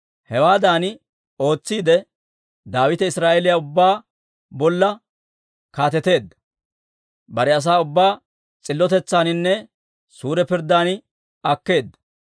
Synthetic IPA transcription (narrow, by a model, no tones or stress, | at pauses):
hɛwaːd̪aːn | o̞ːt͡sːiːd̪ɛ | d̪aːwɪt̪ɛɪsɾaːʔelɪjaʊbːaː | bɔlːɐ | kaːt̪ɛt̪e̞ːd̪ːɐ̥ | bɐɾɛɐs̬aːʊbːaː | t͡sʼɪlːɔt̪ɛt͡sːaːnɪnːɛ | suːɾɛpɪɾd̪ːaːnɪ | ɐkːe̞ːd̪ːɐ̥